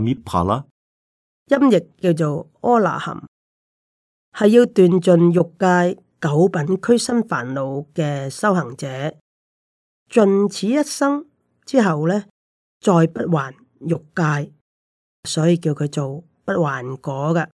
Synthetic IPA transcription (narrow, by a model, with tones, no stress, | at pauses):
mi˦˥pʰa̰ː˨laː˦ | jɐ˥mjɪ˨kːiː˧wt͡so˨w | ɔː˥la̰ː˨˩hɐ̰˨˩m | hɐ˨jːiː˧wt̪yː˨nt͡ʃɵ˨njʊ˨kːaː˧j | kɐ˨˥wpɐ˨˥nkʰɵ˥ɥsɐ˥nfaː˨˩nlo˨wkɛː˧sɐ˥whɐ˨˩ŋt͡sɛː˨˥ | t͡ʃɵ˨nt͡sʰiː˨˥jɐ˥t̚sɐ˥ŋ | t͡siː˥ɦɐ˨wlɛː˥ | t͡sɔː˧jpɐ˥t̚waː˨˩n | jʊ˨kːaː˧j | sɔː˨˥jiː˨˧kiː˧wkʰɵ˨˧ɥt͡so˨w | pɐ˥t̚waː˨˩nkɔː˨˥kɐ˧